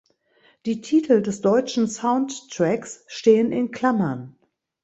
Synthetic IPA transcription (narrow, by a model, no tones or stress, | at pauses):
d̥iːtʰiːtʰl̩dɛsd̥ɔʏt͡ʃn̩saʊntːʁ̥ɛksʃteːənɪnkʰl̥amɐn